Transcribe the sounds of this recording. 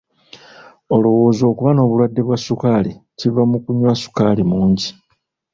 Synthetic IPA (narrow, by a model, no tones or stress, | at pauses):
o̞lo̞wo̞ːzo̞ːkuβano̞ːβulwadːe̞βwasukaːlicivamukuɲwasu̥kalimuːɲɟi